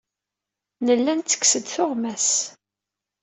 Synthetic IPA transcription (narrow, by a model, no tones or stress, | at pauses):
nəlːænt̪t͡sːə̥ksəd̪θʊʁmæs